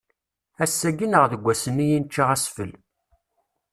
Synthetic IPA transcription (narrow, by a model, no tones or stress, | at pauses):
æsːæɡənəʁðəɡʷːæsənːijint͡ʃːiʁæsfə̰l